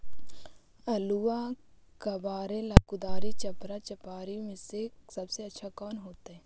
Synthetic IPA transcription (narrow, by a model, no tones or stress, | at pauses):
ɐluakɐbaːɾẽlaːkʊd̪aːɾit͡ʃɐpɾat͡ʃɐpaːɾimẽsesɐbseɐtːʃʰakɔːnɦoːt̪eɦɛː